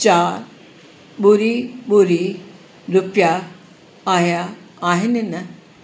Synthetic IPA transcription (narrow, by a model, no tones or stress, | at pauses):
t͡ɕaːɾ | ɓʊɾiɓuɾi | ɾʊpjaː | ɦijaːɦɪnɪnɐ